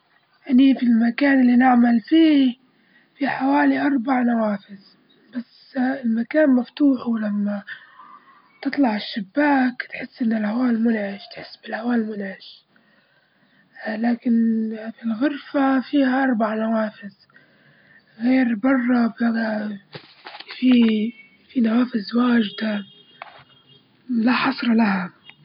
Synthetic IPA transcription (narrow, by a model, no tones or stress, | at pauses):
ʔanifilmakaːnɪlːinɪʕmalfiː | fiħawaːliʔɑɾˤbaʕnawaːfɪz | bas | ɪlmakaːnmaft̪uːħwlamːa | t̪ɨt̪ˤlɑʕɪʃːabːaːkt̪ħɪsːʔɪnːɪlhawaːlmʊnʕɪʃt̪ħɪsːbɪlhawaːlmʊnʕɪʃ | laːkɪnfilɣʊɾfafiːhaʔɑɾˤbɑʕnawaːfɪz | ɣeːɾbɑrˤːɑbaa | fi | finawaːfɪzwaːʒd̪a | laħɑsˤɾˤɑlaha